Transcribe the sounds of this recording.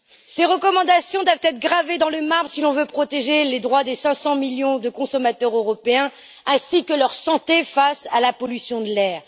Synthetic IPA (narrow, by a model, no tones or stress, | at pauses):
seʁəkɔmɑ̃d̪asjɔ̃d̪wavt̪ɛt̪χɡʁaved̪ɑ̃ləmaʁbsilɔ̃vøpχɔt̪eʒeled̪ʁwad̪esɛ̃sɑ̃miljɔ̃d̪əkɔ̃sɔmat̪œʁøʁɔpeɛ̃ | ɛ̃sikəlœʁsɑ̃t̪efasalapɔlysjɔ̃d̪əlɛːʁ